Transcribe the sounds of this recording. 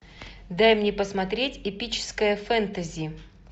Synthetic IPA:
d̪ajmnʲepəsmɐt̪ɾʲetʲɪpʲit͡ɕɪ̥skəjəfɛnt̪əzʲɪɪ

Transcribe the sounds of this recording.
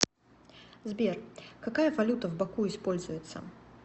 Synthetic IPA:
zbʲerkakajɐvɐlʲut̪əvbakuɪspolʲzʊjɪt̪sːə̰

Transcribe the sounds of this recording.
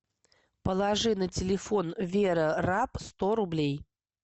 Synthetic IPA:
pəlˠɐʐɨnətʲɪlʲɪfonvʲeɾərapst̪oɾʊblʲej

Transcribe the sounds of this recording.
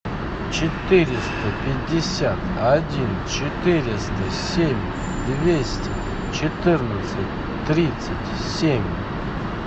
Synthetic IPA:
t͡ɕɪt̪ɨɾʲɪst̪əpʲɪdʲːɪsʲat̪ɐdʲint͡ɕt͡ʃɪt̪ɨɾʲɪst̪əsʲemʲ | d̪vʲesʲtʲɪ | t͡ɕɪt̪ɨrnət̪sɨtʲ | t̪ːɾʲit̪sɨtʲ | sʲemʲ

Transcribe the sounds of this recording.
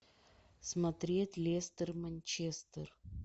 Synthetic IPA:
smɐt̪ɾʲetʲlʲest̪ɨrmɐnʲt͡ɕest̪ər

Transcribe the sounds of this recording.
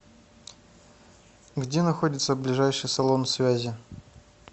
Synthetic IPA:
ɡdʲenɐxo̞dʲɪt̪səblʲɪʐajʂɨjsɐlˠo̞nsvʲæzʲɪ

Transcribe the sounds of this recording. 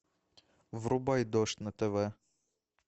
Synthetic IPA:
ʋɾʊbɑjd̪ɔʃt̪nɐt̪ɛʋɛ

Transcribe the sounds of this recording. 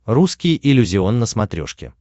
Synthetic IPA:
ruskʲɪjəʔɪlʲːʊzʲɪonːəsmɐt̪ɾʲo̞̰ʂkʲɪ̰

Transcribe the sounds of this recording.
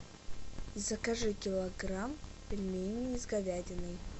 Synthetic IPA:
izɐkaʐɨkʲɪlˠɐɡɾampʲɪlʲmʲejnʲɨizɡɐvʲadʲɪnɨj

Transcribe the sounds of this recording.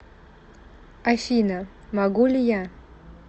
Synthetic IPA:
afʲinə | maɡulʲɪja

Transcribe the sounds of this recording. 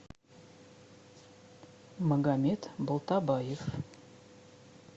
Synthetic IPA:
məɡamʲet̪bə̆lˠt̪ɑbɑjef

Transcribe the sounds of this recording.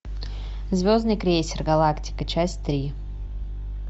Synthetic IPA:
zʲvʲoznɨjkɾʲejsʲɪrɡɐlˠaktʲɪ̥kət͡ɕæsʲtʲt̪ɾʲi

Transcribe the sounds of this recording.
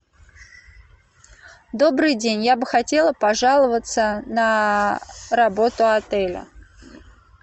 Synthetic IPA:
d̪o̞bɾɨjdʲenʲjabɨxɐtʲe̞lˠəpɐʐalˠəvət̪sənə | rɐbo̞t̪ʊɐt̪ɛlʲə̰

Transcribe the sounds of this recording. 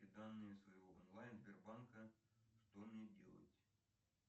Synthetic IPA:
ɪd̪anːɨjɪsvɐjvoʔonlˠajnzbʲɪrbankəʂt̪omnʲedʲḛlˠə̰tʲ

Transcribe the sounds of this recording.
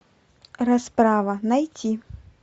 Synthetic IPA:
rɐspɾavɐnɐjt͡sʲi

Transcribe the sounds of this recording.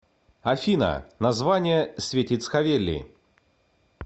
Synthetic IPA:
ɐfʲinə̰nɐzvanʲɪjəsʲvʲetʲɪt̪sxɐvʲelʲːɪ̰

